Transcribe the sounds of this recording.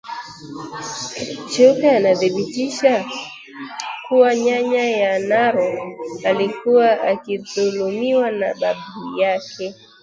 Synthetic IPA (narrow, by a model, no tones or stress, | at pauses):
t͡ʃukaanaðiɓitiʃa | kuwaɲaɲajanaɾɔalikuwaʔakiðulumiwanaɓaɓijakʰɛ